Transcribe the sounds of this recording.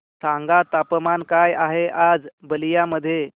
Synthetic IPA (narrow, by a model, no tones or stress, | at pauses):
sãŋɡat̪apəmankajaɦeʔad͡zbəlijaməd̪ʱːje